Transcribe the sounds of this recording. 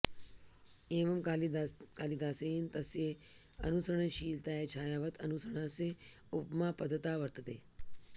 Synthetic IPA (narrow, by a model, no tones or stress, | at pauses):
eːʋɐm | kaːlid̪aːsejint̪ɐsje | ɐ̰nusɾəɳ̃eʃiːlt̪aːet͡ʃʰaːjaːʋət̪ʰənusɾəɳ̃aːseupmaːpɐd̪ʱət̪aːʋəɾt̪ət̪eː